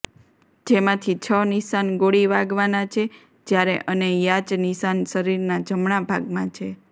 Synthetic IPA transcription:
d͡ʒemãt̪ʰit͡ʃʰəniʃanɡoɽiʋaɡʋanat͡ʃʰe | d͡ʒjaɾeʔənejat͡ʃniʃansəɾiɾnad͡ʒəmɳabʱaɡmãt͡ʃʰe

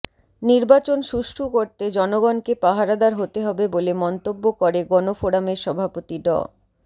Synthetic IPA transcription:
niɾbat͡ɕonʃuʃʈʰukoɾt̪ed͡ʑɔnoɡɔnkepaɦaɾad̪aɾɦot̪eɦɔbebolemɔnt̪obːokoɾeɡɔnofoɽameɾʃɔbʱapot̪iɖɔ̰

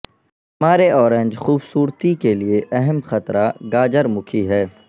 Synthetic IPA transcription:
ɦmaːɾeʔɔːɾẽnd͡ʒxuːbsuːɾt̪ikelieʔɛɦɛmxɐt̪ɾaɡaːd͡ʒəɾmʊkʰiɦɛː

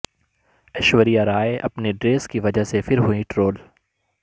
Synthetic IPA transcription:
ɐʃwəɾijaɾaːeʔɐ̰pneɖɾeːskiʋɐd͡ʒəɦsefɪɾɦuĩʈɾoːl

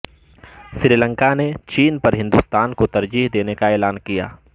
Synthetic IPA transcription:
sɾiːlə̃ŋkanet͡ʃiːnpɐɾɦɪ̃nd̪ust̪aːnkot̪ɐɾd͡ʒiːɦd̪eːnekaeːlaːnkija̰ː

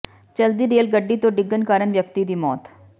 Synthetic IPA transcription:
t͡ʃəld̪iːɾeːlɡəɖːiːt̪õːɖɪɡːənkaːɾənʋjəkt̪id̪iːmɔːt̪

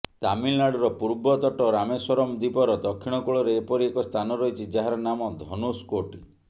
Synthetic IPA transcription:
t̪amilnaɽɔɾɔpuɾbɔt̪ɔʈɔɾamesɔɾɔmd̪ipɔɾɔd̪ɔkʰːiɽ̃ɔkuɭɔɾeːpɔɾiekɔst̪ʰanɔɾɔɦit͡ʃʰid͡ʒaɦaɾɔnamɔd̪ʱɔnuskoʈi

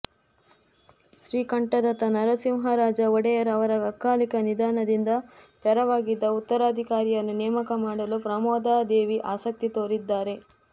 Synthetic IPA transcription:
ʃɾiːkɐɳʈɐd̪ɐt̪ɐnɐɾɐsimɦɐɾaːd͡ʒɐɔɽɛjɐɾɐɐʋɐɾɐɡɐkːaːlikɐnid̪aːnɐd̪ind̪ɐt̪ɛɾɐʋaːɡid̪ːɐut̪ːɐɾaːd̪ʱikaːɾijɐnːunɛːmɐkɐmaːɽɐlupɾɐmɔːd̪aːd̪eːʋiʔaːsɐk̚t̪it̪oːɾid̪ːaːɾe̞

